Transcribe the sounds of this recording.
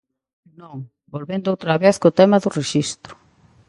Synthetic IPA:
nõŋ | bolβend̪ʊowt̪ɾɐβeθkot̪ɛmɐðʊreʃist̪ɾʊ̥

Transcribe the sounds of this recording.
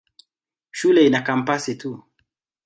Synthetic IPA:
ʃulɛinakam̩pasitu

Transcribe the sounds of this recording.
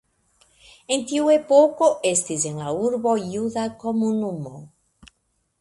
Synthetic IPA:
e̞nt̪iuepoko̞ʔe̞st̪is̬e̞nlauɾbo̞juðako̞munumo

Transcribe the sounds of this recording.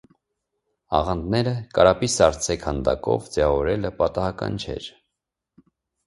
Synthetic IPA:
ɑ̰ʁɑnd̪nɛɾəkɑɾɑpisɑɾt͡sʰɛkʰhɑnd̪ɑ̰kɔ̰vd͡zɛɑvɔɾɛləpɑt̪ɑhɑkɑ̰nt͡ʃʰɛ̰ɾ

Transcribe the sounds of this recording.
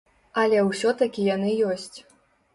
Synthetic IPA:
ɐlʲɛwsʲɔt̪akʲijanɨjɔsʲt͡sʲ

